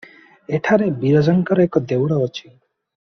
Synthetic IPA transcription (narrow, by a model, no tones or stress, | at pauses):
eʈʰaɾebiɾɔd͡ʒɔŋkɔɾɔekɔd̪ewɽɔːt͡ʃʰi